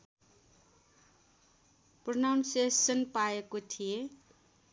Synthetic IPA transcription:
pronawnsesʌnpaekot̪ʰije

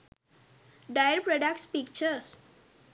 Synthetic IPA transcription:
ɖajəɾpɾɔɖakʈspikt͡ʃəɾs

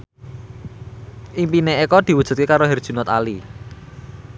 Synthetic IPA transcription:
ʔimpineekɔd̪̥i̤wud̥ʒ̥ṳt̪̚kekaɾoɦɛrd̥ʒ̥ṳnɔt̪a̰li

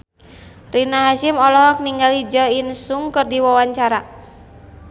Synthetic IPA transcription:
rinaɦaʃimɔlɔɦɔk̚niŋɡalid͡ʒɔinsuŋkɨrdiwawaɲt͡ʃaɾa

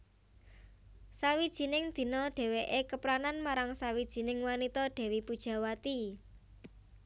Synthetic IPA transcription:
sawid̥ʒ̥i̤nɪŋd̪̥i̤nɔɖ̥ɛ̤weʔekəpɾananmaɾaŋsawid̥ʒ̥i̤nɪŋwanit̪ɔɖ̪̥ɛ̤wipud̥ʒ̥ä̤wat̪i

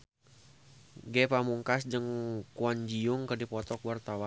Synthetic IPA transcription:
ɡɛpamuŋkasd͡ʒəŋkuand͡ʒiʊŋkədipɔt̪ɔkwart̪awa

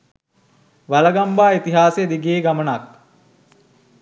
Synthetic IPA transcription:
ʋaləɡambaːit̪iɦaːsejəd̪iɡeːɡamənak̚

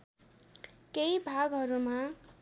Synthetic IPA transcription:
kejbʱaɡɦʌɾuma

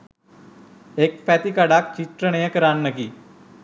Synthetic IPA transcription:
ekpʰɛːt̪iːkaɖaːk̚t͡ʃit̪ɾəɳeãkəɾaːnːəkiː

